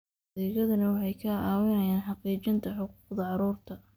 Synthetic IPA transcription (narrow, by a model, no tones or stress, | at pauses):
ɛːɣɐðɐnɐwɑħɑjkʰɐʔaːwɪnɐjaːnħɑqiːt͡ʃɪnt̪ʰɐħʊquːqd̪ɐʕɑɾuːrt̪ʰɐ